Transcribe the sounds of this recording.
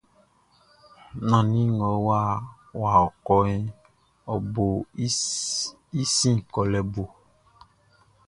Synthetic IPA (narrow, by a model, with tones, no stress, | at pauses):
nã˨nĩ˦ŋɔ̃˨wa˦ | wa˨ɔ˨kɔ˦ɛ˦ | ɔ˨bo˨˦ | i˦sĩ˦kɔ˨lɛ˨bo˨